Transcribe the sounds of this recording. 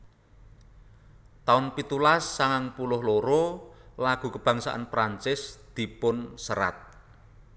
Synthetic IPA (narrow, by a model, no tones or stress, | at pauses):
t̪aʊnpit̪ulasːaŋaŋpulʊhloɾolaɡ̥ṳkəb̥a̤ŋsa̰ʔa̰npɾant͡ʃɪsd̪̥i̤pʊnsəɾa̰t̪̚